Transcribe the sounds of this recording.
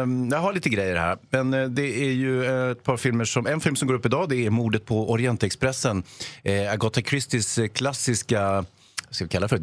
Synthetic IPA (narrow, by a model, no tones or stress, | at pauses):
jaɦalɭiːt̪əɡɾɛjːəɾhæ̰ːɾmɛnd̪ɛæɾjɵt̪̚pʰɑːɾfɪlməʂɔmɛnfɪlmsɔmɡoːɾɵpːɪd̪ɑːd̪ɛæɾmuːd̪ət̪̚pʰɔɔɾɪɛnt̪ɛkspɾɛsːənaɡɔt̪ːakʰɾɪst̪ɪskʰlasːɪska | skavɪkʰalːaɾfœɾ